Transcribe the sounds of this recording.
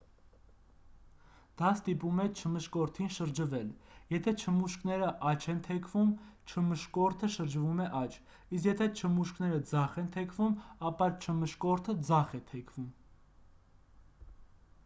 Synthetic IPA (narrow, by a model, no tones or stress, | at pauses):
d̪̥ɑst̪ipumɛt͡ʃʰəməʃkɔɾt̪ʰinʃəɾd͡ʒəvɛljɛt̪ʰɛt͡ʃʰəmuʃknɛɾəʔɑt͡ʃʰɛnt̪ʰɛkʰvumt͡ʃʰəməʃkɔɾt̪ʰəʃəɾd͡ʒvumɛʔɑt͡ʃʰ | iskjɛt̪ʰɛt͡ʃʰəmuʃknɛɾəd͡zɑχɛnt̪ʰɛkʰvumɑpɑt͡ʃʰəməʃkɔɾt̪ʰəd͡zɑχɛt̪ʰɛkʰv̥um